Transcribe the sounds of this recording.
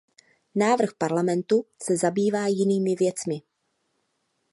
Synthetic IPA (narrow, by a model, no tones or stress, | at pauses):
naːvr̩xpaɾlamɛnt̪usɛzabiːvaːjɪniːmɪvjɛt͡smɪ